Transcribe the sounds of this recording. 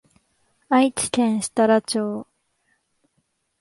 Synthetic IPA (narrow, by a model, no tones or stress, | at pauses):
ait͡ɕi̥k̪ẽ̞ɰ̃ɕi̥t̪aɾat͡ɕoː